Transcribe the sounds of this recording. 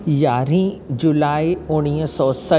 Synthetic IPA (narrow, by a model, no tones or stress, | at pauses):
jaːɾĩd͡ʑulaːiʊ̃iːsɔːsɐ